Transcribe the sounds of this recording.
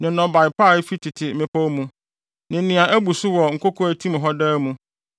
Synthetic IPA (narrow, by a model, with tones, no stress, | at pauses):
nɪ̃˨nɔ̃˨ba˨ɪ˨pʰa˦˨˦fi˦tʰɪ˨tʰɪ˨˦ɪ̃˦pʰɔ˦mũ˦ | nɪ̃˨˦nɪ̃˨a˨ʔæ˦bu˨sʊ˦wɔ˨ŋ̩˨kʰo˦kʰɔ˦æ˨tʰĩ˦m˨ɦɔ˦daː˦mũ˦